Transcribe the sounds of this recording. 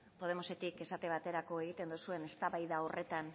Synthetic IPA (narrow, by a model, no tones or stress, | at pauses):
po̞ð̞e̞mo̞se̞t̪ike̞sat̪e̞β̞at̪e̞ɾako̞e̞ɣit̪e̞nd̪usue̞ne̞st̪aβajðao̞re̞t̪an